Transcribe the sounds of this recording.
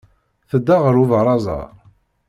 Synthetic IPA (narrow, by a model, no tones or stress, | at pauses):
θəd̪ːaʁəɾuvəɾˤɑzˤɑ̰ˤ